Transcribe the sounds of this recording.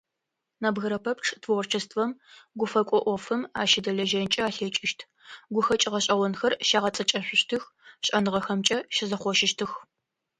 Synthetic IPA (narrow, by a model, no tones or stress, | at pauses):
nɐbɣɐɾɐpʰɐpʈ͡ʂʰtʰwrt͡ʃʰɐstʰfɐmɡʷʊfɐkʷʼɔʔʷɔfɨmaːʃɪdɐɮɐʒɐnt͡ʃʼɐaːɬet͡ʃʼɪʃtʰ | ɡʷʊxɐt͡ʃʼɪʁɐɕʼɐwɔnxɐrʃaːʁɐt͡sʼɐt͡ʃʼɐɕʷʊɕtʰɨx | ɕʼɐnɨʁɐxɐmt͡ʃʼɐʃɪzɐχʷɔʃɪʃtʰɨx